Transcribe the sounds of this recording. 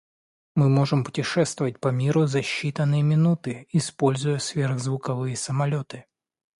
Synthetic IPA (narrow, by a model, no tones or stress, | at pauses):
mɨmo̞ʐɨmpʊ̥tʲɪʂɛst̪vʊvət̚ʲpɐmʲiɾʊzɐɕːit̪ənːɨjəmʲɪnut̪ɨɪspo̞lʲzʊjəsvʲerɣzvʊkɐvɨjəsəmɐlʲo̞t̪ɨ